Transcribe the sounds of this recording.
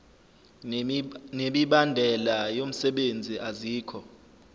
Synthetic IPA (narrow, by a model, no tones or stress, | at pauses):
neɓiɓandʱɛlajom̩sɛɓend͡zʱiʔaziːkʰɔ